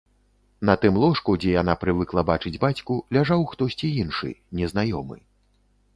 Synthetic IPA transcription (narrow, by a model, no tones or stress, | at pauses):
nɐt̪ɨmlˠɔʂkud͡zʲɛjanapɾɨvɨklˠɐbat͡ʂɨd͡zʲbat͡sʲkulʲaʐawxt̪ɔsʲt͡sʲiinʂɨ̰nʲɛznajɔmɨ̰